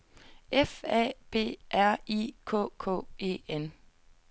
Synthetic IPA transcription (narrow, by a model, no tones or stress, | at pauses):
efɛ̰b̥e̝̰ːʔæɐ̰ikʰɔ̰ːkʰɔ̰ːe̝̰ːen